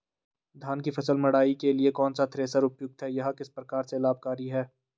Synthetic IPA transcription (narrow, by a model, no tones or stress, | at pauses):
d̪ʱaːnkifʰɐsəlmɐɽaːikeliekɔːnsat̪ʰɾeːsəɾʊpjʊɡ̚t̪ɦɛjɐɦakɪspɾɐkaːɾselaːb̚kaːɾiɦɛː